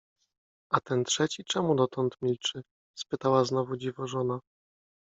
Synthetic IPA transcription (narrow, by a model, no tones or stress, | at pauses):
at̪ɛnt̪ʂɛt͡ɕit͡ʂɛmud̪ɔt̪ɔnt̪mʲilt͡ʂɘ | spɘt̪awaznɔvud͡ʑivɔʐɔna